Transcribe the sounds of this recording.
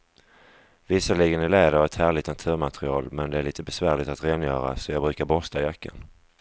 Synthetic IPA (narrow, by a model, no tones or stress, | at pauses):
vɪsːaliːɡənæɭɛːd̪əɾɔvɛt̪hæːɭɪt̪nat̪ʰʉ̟ːɾmat̪ɾɪɑ̰ːlmɛnd̪ɛæɭiːt̪əbɛsvæːɭɪt̪at̪ɾeːnjœːɾa̰sɔjɑːɡbɾʉ̟ːkaɾbɔst̪ʰajakːə̰n